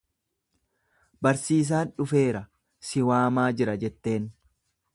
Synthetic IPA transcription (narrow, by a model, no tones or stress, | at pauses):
bɐɾsiːs̬aːnᶑʊfe̞ːɾɐ | sɪwaːmaːd͡ʒɪɾɐd͡ʒɛt̪ːe̞ːn